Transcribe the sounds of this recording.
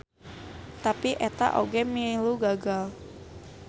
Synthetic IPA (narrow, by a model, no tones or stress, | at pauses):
t̪apiʔɛt̪a̰ʔoɡemiluɡaɡal